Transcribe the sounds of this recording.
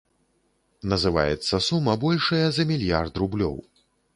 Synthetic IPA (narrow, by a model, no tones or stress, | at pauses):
nɐzɨva̰jɛ̰t̪sːɐsumːɐbɔlʲʂɐjɐzɐmʲilʲjart̪rublʲɔ̰w